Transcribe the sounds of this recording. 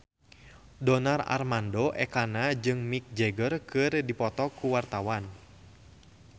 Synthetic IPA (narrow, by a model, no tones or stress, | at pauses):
dɔnara̰rmandoʔɛkanad͡ʒɨŋmik̚d͡ʒɛɡərkɨrdipɔt̪ɔkuwart̪awan